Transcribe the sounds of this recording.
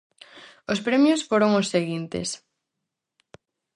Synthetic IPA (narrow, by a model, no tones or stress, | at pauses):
ʊspɾemjʊsfoɾoŋʊsːeɣint̪ḛs